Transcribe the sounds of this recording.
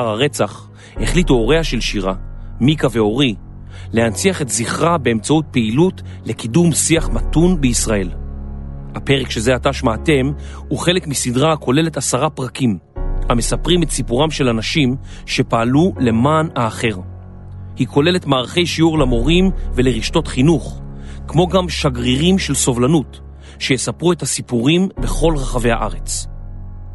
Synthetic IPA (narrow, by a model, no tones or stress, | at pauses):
aʁaʁe̞t͡saχ | he̞χlituo̞ʁeaʃe̞lʃiʁamikave̞o̞ʁi | le̞ant͡siaχe̞tziχʁabe̞ːmt͡saut̚peilut | le̞kidumsiaχmatunbeisʁae̞l | hape̞ʁekʃezeataʃmaːte̞m | uχe̞lekmisidʁakʰo̞le̞le̞tasaʁapʁakim | hame̞sapʁimetsipuʁamʃe̞lanaʃim | ʃe̞paːlule̞maːnaːχe̞ʁ | hikʰo̞le̞letmaːʁaχe̞jʃiuʁlamo̞ʁimvele̞ʁiʃto̞tχinuχkmo̞ɡamʃaɡʁiʁimʃe̞lso̞vlanut | ʃe̞jesapʁuethasipuʁimbe̞χo̞lʁaχave̞jha̰ʔaʁe̞t͡s